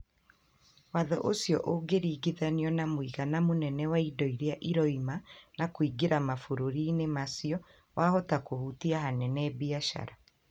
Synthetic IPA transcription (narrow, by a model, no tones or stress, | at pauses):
waðɔʔosjɔʔoɡeɾiːɡiðaniɔnamwiɣanamonɛnɛwaidɔiɾeaʔiɾɔimanakwiɡeɾamafoɾoɾinemasijɔ | wʔahɔtakohutiahanɛnɛbiaʃa̰ɾa